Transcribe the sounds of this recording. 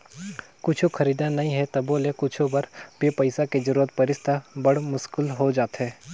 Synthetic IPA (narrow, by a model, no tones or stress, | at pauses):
kʊt͡ʃʰoxʰɐɾiːd̪ãnɐɦĩɦɛt̪ɐboːlekʊt͡ʃʰobɐɾbepɐɪsaked͡ʒɐɾuːɾət̪̚pɐɾɪst̪ʰabɐɽ̤mʊskʊlɦod͡ʒaːt̪ɦɛː